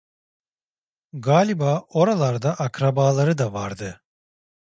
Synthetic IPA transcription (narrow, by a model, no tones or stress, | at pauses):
ɡaːlʲibaːo̞ɾalˠaɾd̪aʔakɾabaːlˠaɾɯd̪avaɾd̪ɯ